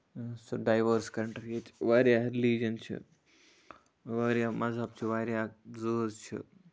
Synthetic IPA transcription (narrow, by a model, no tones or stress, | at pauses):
soɖaːjʋəɾskɐɾɳʈɾet͡ʃʋaːɾjaɾliːd͡ʒɐnt͡ʃʰḭ | ʋaːɾjamʔɐzab̚t͡ʃʰiʋaːɾjaːzuːzt͡ʃʰḭ